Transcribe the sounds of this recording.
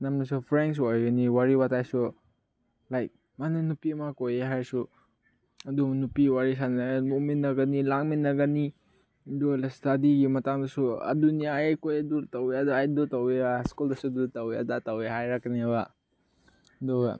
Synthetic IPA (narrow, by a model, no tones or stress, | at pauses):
namnɐsupʰɾens̬waɾɡɐniwaɾibatajsu | lajk̚ | manunupimakojeɦaɾsu | ɐdumɐnupiwaɾis̬anamuminːɐɡanilaŋminːɐɡani | dulastadiɡimɐtaŋdɐsuɐ̰dunijaekojeduɾtaweaduajduɾtaweaskuldɐsudutaweɐ̰dataweɦajɾakniba | doɡa